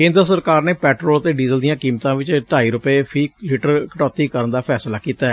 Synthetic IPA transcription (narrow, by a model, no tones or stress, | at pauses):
kẽːnd̪ɾəsəɾkaːɾneːpɛːʈɾoːlt̪eːɖiːzəld̪ijãːkiːmt̪ãːʋɪt͡ʃʈaːiːɾʊpeːfʰiːliːʈəɾkəʈɔːt̪iːkəɾənd̪aːpʰɛːslaːkiːt̪aː